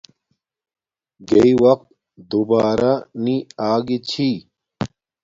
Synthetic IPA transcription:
ɡeiwɐq̚t̪̚ | d̪ubaːɾaniaːɡit͡ɕʰi

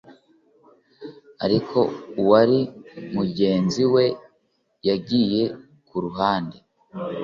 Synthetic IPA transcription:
aɾikʰo̞uwaɾimuɟe̞ːnziwe̞ | jaɡiːje̞ | kʰuɾuɦaːnde

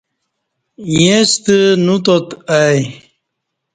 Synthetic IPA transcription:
jest̪ənut̪ot̪aj

